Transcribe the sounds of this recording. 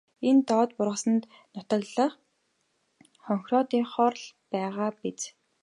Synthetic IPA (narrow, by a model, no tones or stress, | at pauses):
ent̪ɔːt̪pʊrʁə̆sə̆nt̪ | nʊt̪ə̆kɮə̆χ | χɔŋxrɔt̪iːχɔrɮpæːʁaːpet͡s